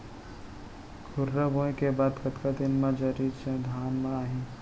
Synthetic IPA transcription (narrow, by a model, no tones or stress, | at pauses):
kʰuɾːəbõẽkebad̪kət̪kad̪inmãd͡ʒəɾiɾt͡ʃẽd̪ʱaːnmãaɦĩ